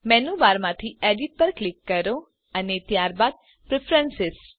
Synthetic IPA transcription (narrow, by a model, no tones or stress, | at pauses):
mɛnuʋaɾmãt̪ʰieɖiʈ̚pəɾklɪkːəɾo | ənet̪jaɾbaːd̪̚ | pɾɪpʰɾənsɪs